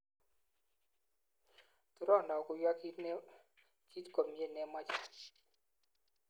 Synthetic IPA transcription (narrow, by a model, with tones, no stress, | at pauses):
t̪u˨˦ɾɔ˦˨nda˨ɔ˨ku˨jwa˦ki˦ | ki˦tkɔ˨mi˨e˦˨nɛ˦ma˦t͡ʃa˨